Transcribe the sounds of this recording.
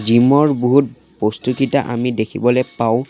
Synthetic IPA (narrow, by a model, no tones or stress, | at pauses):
zimɔɹbuɦut̚ | postukitaʔa̰midekʰibɔlɛpaʊ̃